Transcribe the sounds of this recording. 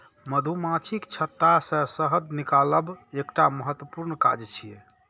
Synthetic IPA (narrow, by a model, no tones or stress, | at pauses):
məd̪ʱumãt͡ʃʰikt͡ʃʰət̪ːasə̃səɦəd̪nikaləbekʈaməɦət̪wəpuɾnka̰d͡ʒt͡ʃʰije